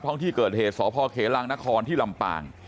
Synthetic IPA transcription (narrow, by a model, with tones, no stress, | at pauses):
t̪ʰɔ˥˩ŋt̪ʰiː˥˩kɤː˨˩t̪̚heː˨˩t̪̚sɔː˩˦pʰɔː˧kʰeː˩˦laː˧ŋna˦˥kʰɔː˧nt̪ʰiː˥˩la˧mpa̰ː˨˧˩ŋ